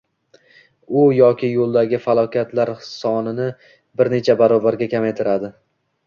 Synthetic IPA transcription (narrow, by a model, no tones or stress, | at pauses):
ʊjɒkʲɪjolˠd̪aɡʲɪfalˠɒkʲat̪laɾsɒnɪnɪ | bɪɾne̞t͡ʃʰabaɾɒbaɾɡʲakʲʰamejt̪ʰɪɾad̪ɪ